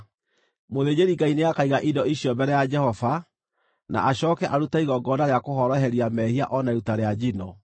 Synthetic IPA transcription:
moðed͡ʑeɾiŋɡaineakaiɣaʔidɔiɕiɔbɛɾɛjad͡ʒɛhɔva | na̰ʔaɕɔːkɛʔaɾutaiɣɔɡɔnaɾeakohɔɾɔɦɛɾiamɛhia̰ʔɔnaeɾutaɾead͡ʑinɔ

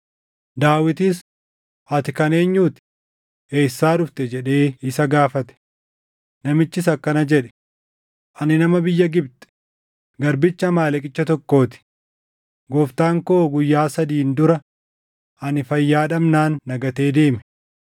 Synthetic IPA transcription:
d̪aːwɪt̪ɪs | hɐt̪ɪkɐne̞ːɲːuːt̪ɪ̥ | eːsːaːᶑʊft̪ɛd͡ʒɛᶑe̞ːɪsɐɡaːfɐt̪ɛ̥ | nɐmɪt͡ʃːɪs̬ɐkːɐnɐd͡ʒɛᶑɛ̥ | ʔɐnɪnɐmɐbɪjːɐɡɪbt̪ɛ̥ | ɡɐɾbɪt͡ʃːɐmaːlɛkʼɪt͡ʃːɐt̪ɔkːo̞ːt̪ɪ̥ | ɡɔːft̪aːŋkoːɡʊjːaːsɐd̪iːnd̪ʊɾɐ | ʔɐnɪfɐjːaːᶑɐmnaːnːɐɡɐt̪e̞ːd̪e̞ːmɛ̥

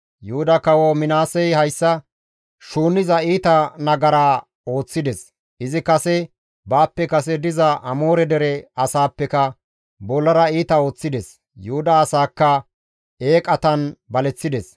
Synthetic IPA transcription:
jʊhʊd̪ɐkɐwɔmɪnaːsɛjhɐjsːɐ | ʃuːnːɪzɐiːt̪ɐnɐɡɐɾaː | o̞ːt͡sːɪd̪ɛs | ɪzɪkɐsɛ | baːpːɛkɐsɛd̪ɪzɐʔɐmo̞ːɾɛd̪ɛɾɛɐsaːpːɛkɐ | bɔlːɐɾɐiːt̪ɐo̞ːt͡sːɪd̪ɛs | jʊhʊd̪ɐːsaːkːɐ | eːkʼɐt̪ɐnbɐlɛt͡sːɪd̪ɛs

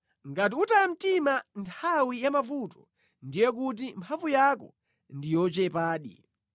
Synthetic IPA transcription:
ŋɡat̬iutajam̩timantʰawijamavutɔ | ndijɛk̬ut̬impʰavujakɔ̰ | ndijɔt͡ʃɛpaːɗḭ

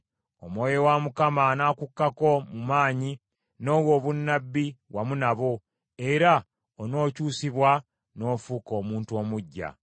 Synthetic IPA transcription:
o̰mwo̞ːjo̞wamukamanaːkukːako̞mumaːɲi | no̞ːwo̞ːβunːabːiwamunaβo | e̞ɾa | ono̞ːcuːsiβwa | no̞ːfuːko̞ːmuːntuo̞ːmuɟːa̰

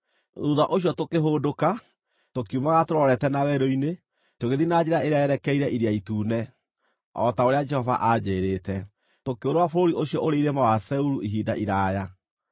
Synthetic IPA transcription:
uðaʔoɕjɔtokeɦoːdoka | tokiumaɣatoɾɔɾɛtɛnawɛɾoine | toɣeðinad͡ʑeɾaeɾeaɛɾɛkɛiɾɛʔiɾiaituːnɛ | ɔ̰taoɾead͡ʒɛhɔva̰ʔad͡ʑeɾeːtɛ | tokeoɾowafoɾoɾiʔoɕjɔʔoɾeiɾemawasɛuɾuʔiɦiːda̰ʔiɾaja

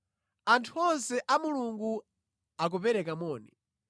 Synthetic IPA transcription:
antʰuɔnsɛʔamuluŋɡu | ak̬upɛɾɛkamɔːnɛ

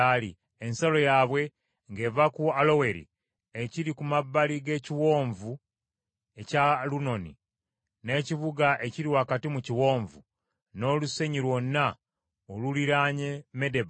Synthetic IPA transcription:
ali | ensalo̞jaβwe̞ | ŋɡe̞vakualo̞we̞ɾḭ | eciɾikumabːaliɡe̞ːciwo̞ːɱvu | e̞caluno̞nḭ | ne̞ːciβuɡaʔe̞ciɾiwaːkatimuciwo̞ːɱvṵ | no̞ːluse̞ɲiɾwo̞nːa | oluliɾaɲeme̞de̞βa

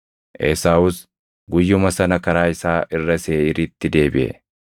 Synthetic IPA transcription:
ʔeːsaːʊs | ɡʊjːʊmɐsɐnɐkɐɾaːɪsaːʔɪrːɐse̞ːʔɪɾit̪ːɪd̪e̞ːbɪ̰ʔɛ̰

